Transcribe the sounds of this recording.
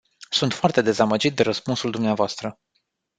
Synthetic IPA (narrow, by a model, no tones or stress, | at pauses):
sunt̪foart̪e̞d̪e̞zaməd͡ʒit̪̚d̪e̞ɾəspunsuld̪umneavoast̪ɾə